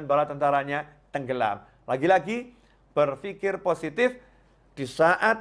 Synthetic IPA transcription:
nbaɾat̪ːənt̪aɾaɲat̪əŋɡəla̰m | laɡilaɡi | b̥ərfikɪrposit̪ɪf | d̥isaʔat̪̚

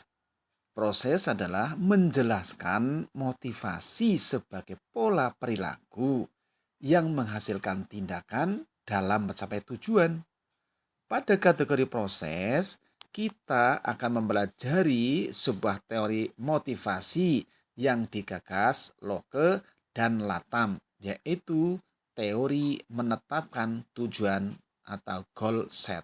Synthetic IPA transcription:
pɾosɛsadalahməɲd͡ʒəlaska̰nmot̪ifa̰sisəb̥a̤ɡ̥epolapəɾila̰ɡ̥u | jaŋməŋɦasɪlkant̪indakan | d̥alampət͡ʃapɛt̪u̥d͡ʒ̥uan | padakat̪əkəɾipɾosɛ̰s | kit̪aʔa̰kanməmbəlad͡ʒaɾisəbuaht̪eoɾimot̪ifasi | jaŋdikakaslokə | d̥anla̰t̪am | jaʔit̪u | t̪eoɾimənət̪ap̚kant̪ud͡ʒuan | ʔat̪awɡ̥ɔlsɛ̰t̪̚

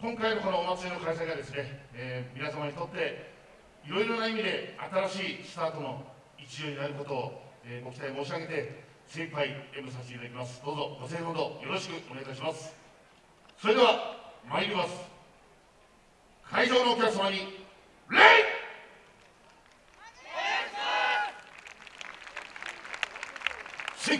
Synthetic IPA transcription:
kõ̞ŋkainoko̞noːmat͡sɨenokais̬aiɡad̪e̞sɨne̞ːmʲinasamaɲ̟it̪o̞t̪ːe̞ | iɾo̞iɾo̞naimʲid̪e̞at̪aɾaɕiːsɨ̥t̪aːt̪o̞no̞ | it͡ɕijoːɲinaɾɯko̞t̪o̞ːeːko̞kɯ̥t̪aimo̞ːɕ̬iaɡe̞t̪e̞ | sepaiemɯs̬aɕ̬t̪eit̪ad̪akʲimasɨ̥d̪o̞ːzo̞ɡo̞sẽ̞ːnod̪o̞jo̞ɾo̞ɕi̥kɯ̟ʔo̞ne̞ɡaiɕ̬imasɨ̥ | so̞ɾed̪eβamaɾʲimʲimasɨ̥ | kʰaid͡ʑo̞ːno̞ːkʲakɯ̥samaɲ̟i | ɾe | sɨi

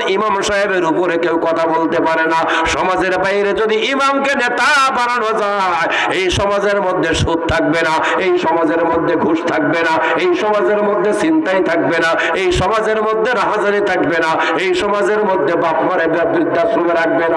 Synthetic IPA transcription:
imamʃaɦebeɾupoɾekewkɔt̪ʰabolt̪epaɾena | ʃɔmad͡ʑeɾbajeɾed͡ʑod̪iimamkenet̪abaɾanod͡ʑa | e | ejʃɔmad͡ʑeɾmod̪ʱːeʃud̪̚t̪ʰak̚bena | ejʃɔmad͡ʑeɾmod̪ʱːeɡʱuʃt̪ʰak̚bena | ejʃɔmad͡ʑeɾmod̪ʱːesint̪ajt̪ʰak̚bena | ejʃɔmad͡ʑeɾmod̪ʱːeɾaɦad͡ʑaɾit̪ʰakbena | ejʃɔmad͡ʑeɾmod̪ʱːebapmaɾebabɾid̪ʱːasobeɾak̚bena

